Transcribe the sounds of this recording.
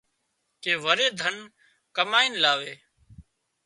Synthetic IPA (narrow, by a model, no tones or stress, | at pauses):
keːʋəɾeːd̪ʱən | kəmaːiːnlaːʋeː